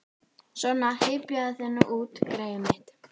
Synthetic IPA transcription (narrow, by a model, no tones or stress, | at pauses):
sɔnːahɪːpjaðaθɛnːʏʔuːt̪kɾeːjʏmɪht̪